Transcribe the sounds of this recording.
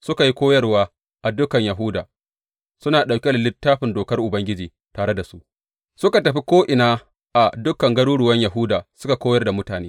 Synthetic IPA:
sʊ˦ka˨ji˦kʷoː˦jɐ˦rwaː˦ | ʔa˨dʊ˦kɐ˨ɲjɐ˨ɦʊ˦da̰ː˨ | sʊ˦naː˨ɗa˨wkʲe˦lɪ˨lɪ˦tːaː˦ɸɪ˨ndoː˨kɐ˦rʔʊ˨bɐ˦ŋɡʲɪ˦d͡ʒiː˨ | taː˨ɽe˦da˨su˦ʔ | sʊ˦ka˨tɐ˨ɸi˦kʷoː˦ʔɪ˨naː˦ | ʔa˨dʊ˦kɐ˨ŋɡɐ˦ɽuː˦ɽʊ˨wɐ˦ɲja˨ɦʊː˦daː˨sʊ˦ka˨kʷoː˦jɐ˦rda˨mʊ˦taː˨neː˦

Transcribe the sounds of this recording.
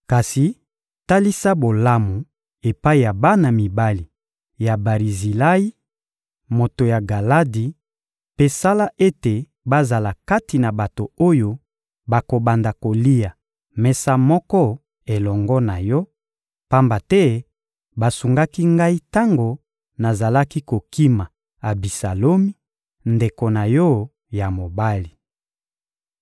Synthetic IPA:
ka˨si˨ | ta˦li˦sa˦bo˨la˦mu˨ | e˨pa˦i˨ja˨ba˦na˨mi˨ba˦li˨ | ja˨ba˨ʁi˨zi˨la˦i˦ | mo˨to˨ja˨ɡa˨la˦di˨ | pe˦sa˦la˦ʔe˦te˨ | ba˦za˨la˨ka˦ti˨na˨ba˨to˨o˦jo˦ | ba˨ko˨ba˨nda˨ko˨li˦ja˨ | mɛ˨sa˦mɔ˦kɔ˦ | e˨lɔ˨ŋɡɔ˦na˨jɔ˦ | pa˦mba˨tɛ˦ | ba˨su˨ŋɡa˦ki˦ŋɡa˦i˦ta˦ŋɡo˨ | na˨za˨la˦ki˦ko˨ki˦ma˨ | a˨bi˨sa˨lo˦mi˦ | nde˨ko˨na˨jɔ˦ | ja˨mo˨ba˦li˨

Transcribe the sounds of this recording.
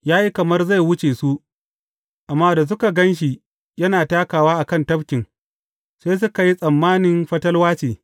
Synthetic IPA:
jaː˦ji˦kɐ˨mɐ˦rza˦˨jwʊ˦t͡ʃeː˨su˦ʔ | ʔa˨mːaː˦da˨s̬ʊ˦ka˨ɡɐ˦nʃ̬i˨ | jɐ˦naː˨taː˦kaː˨waː˦ʔa˨kɐ˦˨ntɐ˦bkʲɪ˨ŋ | seː˦s̬ʊ˦ka˨ji˦sʼɐ˨mːaː˦nɪ˨nɸɐ˦tɐ˦lwaː˦t͡ʃeː˨

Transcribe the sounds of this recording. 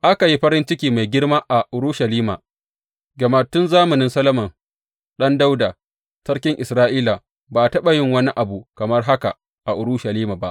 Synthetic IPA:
ʔa˦ka˨ji˦ɸɐ˦ɾɪ˦nt͡ʃɪ˦kʲiː˨ma˨jɡʲɪ˦ɽmaː˦ʔa˨ʔʊ˨ɾu˦ʃɐ˨liː˦ma̰ː˨ | ɡɐ˨ma˨tʊ˦nzaː˦mɐ˨nɪ˦nsɐ˦lɐ˦mɐ˨n | ɗɐ˦nda˦wda˨ | sɐ˦ɽkʲɪ˦ŋʔɪ˨sɾaː˦ʔiː˦la˨ | baː˨tɐ˦ɓa˨jɪ˦ŋwɐ˦ni˦ʔa˨bu˨kɐ˨mɐ˦rɦa˦ka̰˨ | ʔa˨ʔʊ˨ɽuː˦ʃɐ˨liː˦maː˨ba˦ʔ

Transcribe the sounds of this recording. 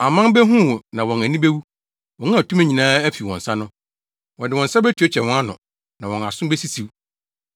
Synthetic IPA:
a˨mã˦m˦bɛ˦ɦũ˦˨wnã˨wɔ̃˨næ˨nĩ˦be˦wu˦ | wɔ̃˨ŋ˦ã˦˨tʰu˦mæ˨ɲĩ˨nãː˦æ˦fi˨wɔ̃˨n˨sa˦nʊ̃˦ | wɔ̃˨dɪ˨wɔ̃˨nsa˦bɛ˦tʰi˨˦o˦t͡ɕʰɛ˨wɔ̃˦a˦nʊ̰̃˨ | nã˨wɔ̃˨na˨sʊ̃˦be˦si˦si˨w

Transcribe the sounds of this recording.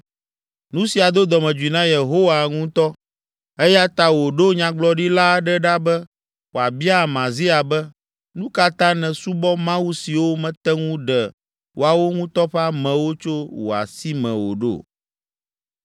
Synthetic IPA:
nũ˦si˨a˨d̪o˦d̪ɔ˨mɛ̃˨d͡ʒu˨i˨nã˦je˨ɦo˦wa˨ŋũ˦t̪ɔ˦ | ɛ˦ja˦t̪a˦wo˨ɖo˦ɲã˨ɡ͡blɔ˦ɖi˦la˦ɖɛ˦ɖa˦bɛ˦ | wo˨a˨bi˦a˦mã˨zi˦a˨bɛ˦ | nũ˦ka˦t̪ã˦nɛ̃˨su˦bɔ˦mã˦wu˦si˨wo˦mɛ̃˨t̪ɛ˦ŋũ˦ɖɛ˨ | wo˨a˨wo˦ŋũ˦t̪ɔ˦ɸɛ˦a˦mɛ̃˨wo˦t͡ʃo˦wo̰˨a̰˨si˦mɛ̰̃˨wo̰˨ɖo̰˦˨

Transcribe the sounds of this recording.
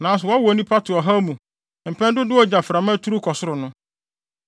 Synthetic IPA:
nãː˨˦s̬ʊ˨ɔ˨˦a˦wɔ˨nĩ˦pʰa˦tʰʊ˨ɔ˨ɦa˦mũ˨ | m̩˨pʰɛ̃˦ndʊ˦dɪ˦wɔ˦d͡ʑa˨fɾa˨mã˦tʰu˦ɾu˦kʰɔ˨sʊ˦ɾʊ˨nʊ̃˦

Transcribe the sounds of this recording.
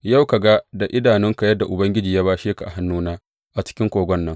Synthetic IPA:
ja˦˨wka˨ɡa˦da˨ʔɪ˦daː˨nɪ˦ŋka˨jɐ˦da˨ʔʊ˨bɐ˦ŋɡʲɪ˦d͡ʒiː˨jaː˦baː˦ʃeː˦ka˨ʔa˨ɦa˦nːuː˦naː˦ | ʔa˨t͡ʃɪ̥˦kʲɪ˦ŋkʷoː˨ɡʷɔ˦nːɐ˦ŋ

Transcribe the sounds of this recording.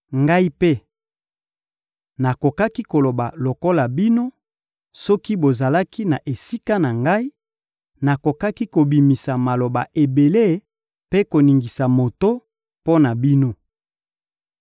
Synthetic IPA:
ŋɡa˦i˦pe˦ | na˨ko˨ka˦ki˦ko˨lo˨ba˨lo˨ko˦la˨bi˦no˦ | sɔ˦ki˦bo˨za˨la˦ki˦na˨ʔe˨si˦ka˦na˨ŋɡa˦i˦ | na˨ko˨ka˦ki˦ko˨bi˨mi˨sa˨ma˨lo˨ba̰˨ʔe˨be˨le˦ | pe˦ko˨ni˨ŋɡi˨sa˨mo˨to˦ | po˦na˨bi˦no˦

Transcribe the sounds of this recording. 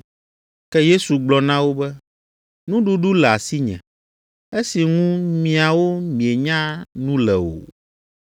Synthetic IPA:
kɛ˦je˦su˨ɡ͡blɔ˨nã˦wo˦bɛ˦ | nũ˦ɖu˦ɖu˦lɛ˨a˨si˦ɲɛ̰̃˨ | e˦si˨ŋũ˦mĩ˨a˨wo˦mĩ˨e˨ɲã˦nũ˦lɛ˨o̰˨

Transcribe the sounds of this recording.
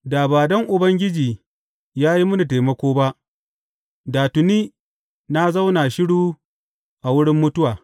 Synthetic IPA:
daː˨baː˨dɔ˦ŋʔʊ˨bɐ˦ŋɡʲɪ˦d͡ʒiː˨ | jaː˦ji˦mʊ˦nu˨taeː˨mɐ˦kʷoː˦ba˦ʔ | daː˨tʊ˨niː˦ | na˦za˦wna˨ʃɪ˦ɽuː˦ | ʔa˨wʊ˦ɽɪ˦mːʊ˦tʊ˦waː˨

